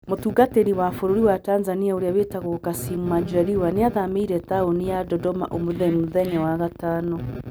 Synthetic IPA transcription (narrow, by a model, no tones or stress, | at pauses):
motuːɡateɾiwafoɾoɾiwataːnzaniaoɾeaβetaɣokasimumad͡ʒaɾiwaneaðameiɾɛtaonijadɔdɔma̰ʔomoðɛmoðɛɲawaɣataːnɔ